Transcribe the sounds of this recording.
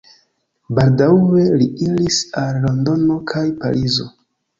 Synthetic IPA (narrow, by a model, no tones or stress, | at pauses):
baldawe̞liʔilisalːo̞ndo̞no̞kʰajpa̰ɾizo̞̰